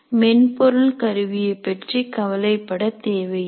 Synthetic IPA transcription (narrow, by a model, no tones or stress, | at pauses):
mɛnpɔɾɯlkɐɾɯʋɪjɐɪpːɛʈrikɐʋɐlɐɪpːɐɽɐt̪eːʋɐɪ